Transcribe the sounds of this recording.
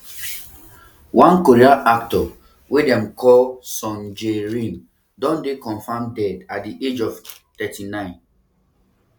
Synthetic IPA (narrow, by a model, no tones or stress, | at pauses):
wʔãnkoɹiaʔaktɔ | wedɛ̃mkʰɔlsɔ̃nd͡ʒeɹĩn | dɔ̃ndekɔ̃nfãmdɛdatdiʔed͡ʒɔftɛtinãɪ̃n